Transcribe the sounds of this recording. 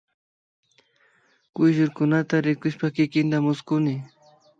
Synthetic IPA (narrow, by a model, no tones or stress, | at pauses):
kʊjʒʊɾkʊnat̪aɾɪkʊʃpakɪkɪnt̪amʊskʊnɪ